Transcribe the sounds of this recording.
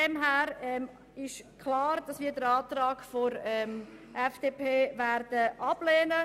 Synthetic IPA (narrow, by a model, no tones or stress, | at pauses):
ɛmɦæːɾɛm | ɪʃkʰlɑːɾd̥ɑsʋiːdəɾɑːt̪rɑːɡ̥foɾɛmʔɛfd̥eːpʰeːvæɾd̥əʔɑb̥leːnə